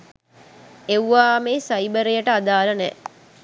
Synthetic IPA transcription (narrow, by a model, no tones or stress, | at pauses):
ewʋaːmeːsajbəɾejəʈəad̪aːlənɛ